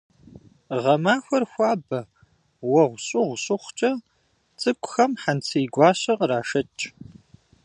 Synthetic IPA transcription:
ʁɐmaːxʷɐrxʷɑːbɐ | wɐʁʷɕʼɪʁʷɕʼʊχʷt͡ʃʼɐ | t͡sʼɨkʷʼʊxɐmħant͡sʰiːɡʷɑːɕɐqraːʂɐt͡ʃʼ

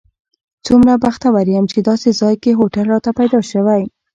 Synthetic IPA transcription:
t͡sumɾabaxt̪awaɾjamt͡ʃed̪ɑsezɑjkeɦoʈalɾɑt̪apajd̪ɑʃəwaj

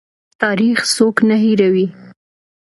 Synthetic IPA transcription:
t̪ɑɾixsoknaɦiɾawi

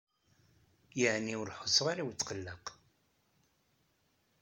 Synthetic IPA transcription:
jəʕniʊɾħo̥sˤːəʁaɾiwt͡sːqəlːəq

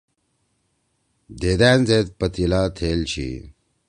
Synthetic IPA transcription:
d̪eːd̪æːnzeːt̪̚pɐt̪ilaːt̪ʰeːlt͡ɕʰḭ

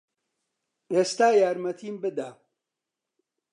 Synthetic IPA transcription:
eːst̪aːjaːɾmɐt̪ʰiːmbɨd̪aː

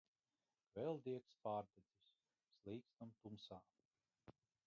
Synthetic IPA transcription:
kvɛlˠd̪iɛkspaːɾd̪ezisʲ | slˠiːkst̪amt̪umsaː

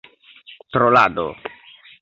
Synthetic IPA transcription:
t̪ɾola̰d̪o̰

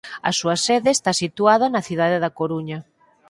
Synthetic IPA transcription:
ɐ̰suɐseðeːst̪asit̪uaðɐnɐθiðaðeðɐkoɾuɲɐ

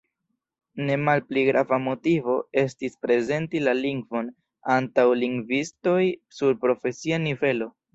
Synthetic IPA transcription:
ne̞malpliɡɾavamo̞tivo̞e̞stispɾe̞ze̞ntilaliŋɡvo̞n | antawliŋɡvisto̞jsuɾpɾo̞fe̞sianive̞lo̞

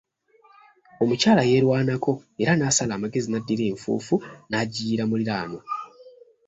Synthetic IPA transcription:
o̞mucaːlaje̞ːɾwaːnakʰo̞e̞ɾanaːsalaːmaɡe̞zinadːiɾe̞ːɱfṵːfunaɟiːɾamuliɾaːno

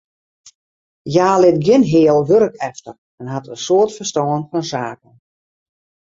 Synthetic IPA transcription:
jaːlɪtɡɪnɦɪːəlˠʋøɾəkɛftər | ɛnɦatənsoːərtfərstɔːənfɔnsaːkən

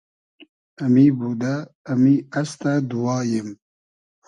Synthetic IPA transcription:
ɛmiːbud̪ɛː | miɛst̪ɛd̪uwɑːjɪm

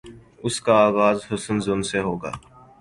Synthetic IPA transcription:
ʊskaaːɣaːzhʊsənzʊnseɦoːɡa̰ː

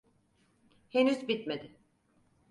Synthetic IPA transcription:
henyzbit̪med̪ɪ

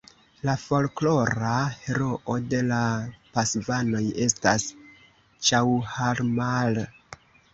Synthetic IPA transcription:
lafo̞lklo̞ɾahe̞ɾo̞ʔode̞lapasvano̞je̞stas | t͡ʃawhaɾmal

